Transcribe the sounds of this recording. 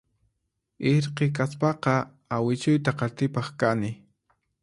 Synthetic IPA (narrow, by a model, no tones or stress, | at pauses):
ɪɾqek̬aspɑqɑ | awɪt͡ʃʊjt̪aqɑɾt̪ɪpɑχkanɪ